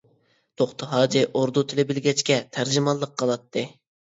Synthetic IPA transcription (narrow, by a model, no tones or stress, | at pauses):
t̪ʰoχt̪ʰəɦɑːd͡ʒiʔoɾd̪ut̪ʰɪlɪbɪlɡʲɛt͡ʃkʲɛt̪ʰæɾd͡ʒɪmɑlˠːəqʰːəlˠɑt̪ʰːɨ